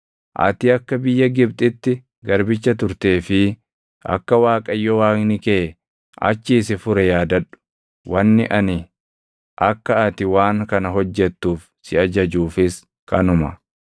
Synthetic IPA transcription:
ʔɐ̰t̪ɪɐkːɐbɪjːɐɡɪb̚t̪ʼɪt̪ːɪ | ɡɐɾbɪt͡ʃːɐt̪ʊɾt̪e̞ːfɪ | ɐ̰kːɐwaːkʼɐjːɔwaːknɪke | ʔɐ̰t͡ʃːiːsɪfʊɾɛjaːd̪ɐᶑʊ̥ | wʔɐnːɪ̰ʔɐnɪ | ʔɐkːɐɐt̪ɪwaːŋkɐnɐɦɔd͡ʒːɛt̪ːuːf | sɪɐd͡ʒɐd͡ʒuːfɪs | kɐnʊmɐ

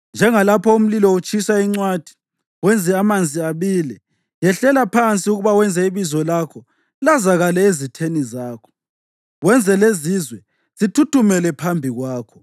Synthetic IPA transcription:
nd͡ʒʱɛŋalapʰɔum̩lilɔut͡ʃʼisaiŋ͡ǀwad̥ʱi̥ | wɛnd͡zʱɛamand͡zʱiaβiːlɛ | jɛɬɛlapʰant͡sʼiuɣuβawɛnd͡zʱɛiβizɔlakʰɔ | lazaɣalɛezitʰenizaːkʰɔ̥ | wɛnd͡zʱɛlezizwɛ | z̥itʰutʰumɛlɛpʰambʱiɣwaːkʰɔ̥

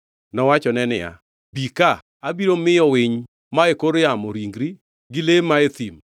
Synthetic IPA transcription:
nɔwat͡ʃɔnɛnɪ̰ja̰ | bika | abiɾomɪɔwɪɲ | maekoɾjamoɾiŋɡɾi | ɡɪlemaet̪im

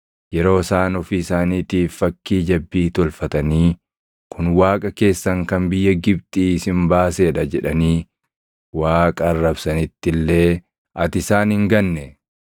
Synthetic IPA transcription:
jɛɾo̞ːsaːnɔfiːsaːniːt̪iːfːɐkːiːd͡ʒɐbːiːt̪ɔlfɐt̪ɐniː | kʊnwaːkʼɐke̞ːsːɐŋkɐmbɪjːɐɡɪbt̪ʼiːɪsɪmbaːseːᶑɐd͡ʒɛᶑɐniː | waːkʼɐːrːɐbsɐnɪt̪ːɪlːe̞ː | ʔɐt̪ɪsaːnɪŋɡɐnːɛ

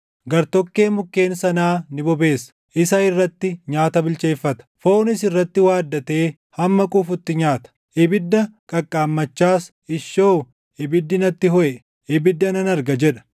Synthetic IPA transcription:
ɡɐɾt̪ɔkːe̞ːmʊkːe̞ːnsɐnaːnɪbɔbe̞ːsɐ̥ | ʔɪsɐɪrːɐt̪ːɪɲaːt̪ɐbɪlt͡ʃe̞ːfːɐt̪ɐ̥foːnɪsɪrːɐt̪ːɪwaːd̪ːɐt̪e̞ː | hɐmːɐkʼufʊt̪ːɪɲaːt̪ɐ̥ | ʔɪbɪd̪ːɐkʼɐkʼːaːmːɐt͡ʃːaːs | ɪʃːoː | ʔɪbɪd̪ːɪnɐt̪ːɪɦɔʔɛ | ɪbɪd̪ːɐnɐnɐɾɡɐd͡ʒɛᶑɐ̥

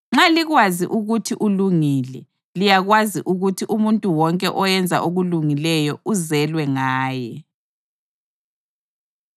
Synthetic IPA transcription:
ŋ͡ǁaliɣwaziʔuɣutʰiʔuluŋilɛ | lijaɣwaziʔuɣutʰiʔumuntʼuwɔŋkʼɛʔɔjɛnd͡zʱa̰ʔoɣuluŋilɛjɔuzɛlwɛŋaːjɛ

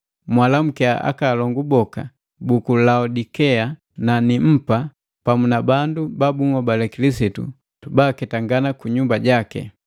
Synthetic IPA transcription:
mwalam̩kɛaa̰kaːlɔŋɡubɔka̰ | bukulaudikɛa | nanim̩pa | pamunabandubabuŋɔbalɛkilisitṵ | tubaːkɛtaŋɡanakuɲumbaɟakɛ̰

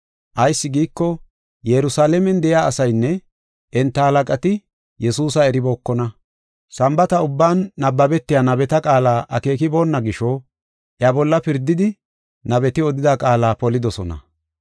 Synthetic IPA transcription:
ʔɐjsːɪɡiːkːɔ | jɛɾʊsaːlɛmɛnd̪ɛjaːsɐjnːɛ | ʔɛnt̪ːɐhɐlɐkʼɐt̪ɪ | jɛsuːsɐɛɾɪbo̞ːkːɔnɐ | sɐmbɐt̪ɐʊbːaːnːɐbːɐbɛt̪ːɪjaːnɐbɛt̪ɐkʼaːlaːʔɐke̞ːkɪbo̞ːnːɐɡɪʃɔ | ʔjabɔlːɐpɪɾd̪ɪd̪ɪ | nɐbɛt̪ɪɔd̪ɪd̪akʼaːlaːpɔlɪd̪ɔsɔnɐ̰

